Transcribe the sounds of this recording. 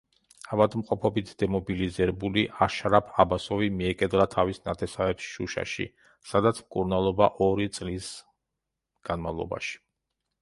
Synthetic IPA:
avad̪mqʼɔpʰɔbit̪ʰd̪̥ɛmɔbilizɛɾɛbuliʔaʃɾapʰabasɔvimiɛkʼɛd̪lat̪ʰavisnat̪ʰɛsavɛpsʃuʃa̰ʃḭ | sad̪at̪sʰmkʼuɾnalˠɔbaʔɔɾit̪sʼlis | ɡ̥anmavlˠɔ̰ba̰ʃi̥

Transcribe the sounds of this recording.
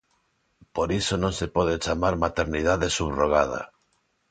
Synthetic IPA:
poɾisonõŋsepoð̞et͡ʃamaɾmat̪eɾniðaðesuβroɣ̞að̞a̰

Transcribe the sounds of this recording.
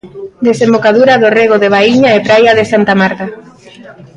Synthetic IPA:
d̪esembokaðuɾaðoreɣoðeβ̞aiɲaepɾajaðesant̪amaɾta

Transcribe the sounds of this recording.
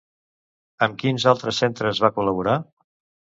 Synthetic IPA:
əmkinzalˠt̪ɾəsːent̪ɾəzβakuləβ̞uɾa

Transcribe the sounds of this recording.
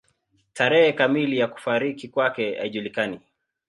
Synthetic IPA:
taɾɛhɛkamilijaku̥faɾikikwakɛa̰iʄulikani

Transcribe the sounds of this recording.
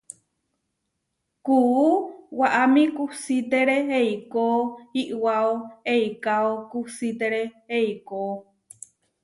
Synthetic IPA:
kuuwaʔamĩkusit̪eɾeɦeikoiʔwaoeikaokusit̪eɾeheiko

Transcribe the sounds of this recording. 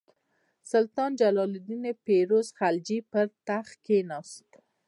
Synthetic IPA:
sʊlt̪ɑnd͡ʒalɑlɪd̪inepeɾozχald͡ʒipəɾt̪aχkenɑst̪

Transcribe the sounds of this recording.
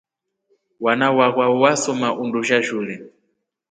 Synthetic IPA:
wanawaɣwawasɔmaʔunduʒaʒulɛ

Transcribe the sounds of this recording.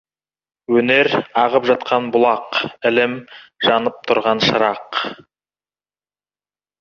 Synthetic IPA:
wɵne̞ɾɑʁəpʒɑt̪qʰɑnbʊlˠɑqɪlɪmʒ̥ɑnəp̚t̪ʰʊɾʁɑnʃəɾɑq

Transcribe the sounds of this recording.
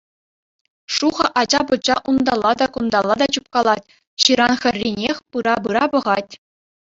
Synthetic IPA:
ʂuʁɤ̆ʔɑd͡ʑɑbŭt͡ɕɑʔund̪ɑlˠːɑd̪ɑkund̪ɑlˠːɑd̪ɑt͡ɕup̚kɑlˠɑtʲ | ɕɯɾɑnxʲɘ̆rʲːinʲexʲpɯɾɑbɯɾɑbɤ̆ʁɑtʲ

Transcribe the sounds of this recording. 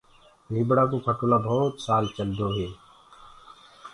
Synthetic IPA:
bʱibɽakokʰɐʈoːlabʱɔːt̪saːlt͡ʃəld̪oːɦeː

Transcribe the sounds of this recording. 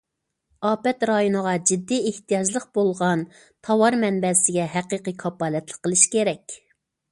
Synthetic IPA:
ɑːpɛt̪ɾɑjonəʁɑd͡ʒɪd̪ːieht̪ʰijɑd͡ʒlˠəq̚b̥olˠʁɑn | t̪ʰɑwɑɾmɛnbɛsɪɡʲɛɦæqiːqikʰɑpɑːlɛt̪lˠəqːəlˠɨʃkʲʰeɾɛkʲ

